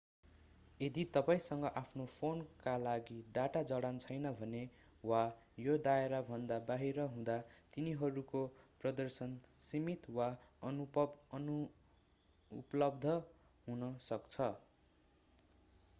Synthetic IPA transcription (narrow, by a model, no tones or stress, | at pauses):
ed̪it̪ʌpaĩsʌŋɡʌʔapʰnopʰonkalaɡiɖaʈad͡zʌɽant͡sʰʌjnʌbʱʌne | wa | jod̪aeɾabʱʌnd̪abaɦiɾʌɦũd̪at̪iniɦʌɾukoprʌd̪ʌrsʌnsimit̪waʌnupʌbnu | pʌlʌbd̪ʱʌ | ɦũnʌsʌkt͡sʰʌ